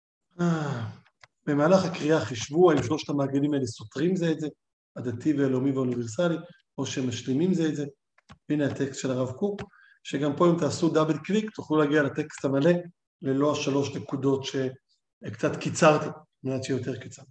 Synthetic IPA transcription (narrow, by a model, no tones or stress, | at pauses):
a | b̥e̞maːlaχakʁiaχiʃvuaimʃlo̞ʃtamaːɡalimaeleso̞tʁimzeːtze̞ | adativeːlomiveuniveʁsali | o̞ʃemaʃlimimzeːtze | b̥inehat̪e̞kst̪ʃe̞laʁavkuk | ʃeɡampo̞imt̪aːsudabelkvikt̪uχlulaːɡialate̞ksthamale̞ | le̞lo̞aʃalo̞ʃnekudo̞tʃe̞ | kt͡sat̪kit͡saʁt̪a | meatʃijot̪̬e̞ʁki̥t͡saʁti̥